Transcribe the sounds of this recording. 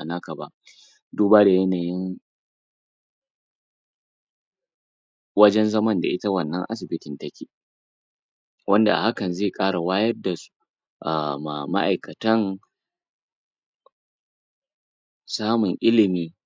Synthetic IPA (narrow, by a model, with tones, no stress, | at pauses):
a˨naː˦kɐ˨ba˦ʔ | duː˦baː˦da˨jɐ˦naː˨jɪ˦ŋ | wɐ˦d͡ʒɛ˦nzɐ˦mɐ˦nda̰˨ʔɪ˦ta˦wɐ˨nːɐ˦ŋʔa̰˦s̬ɪ˨bɪ˦tɪ˨ntɐ˦kʲeː˨ | wɐ˦nda˨ʔa̰˨ha˦kɐ˨nzeː˦˨kʼaː˦ɽa˨waː˦jɐ˦rda˨su̥˦ | ʔa˨ma˨ma̰˦ʔa˨jkɐ˨tɐ˦ŋ | saː˦mʊ˨ŋʔɪ˦lɪ˨miː˨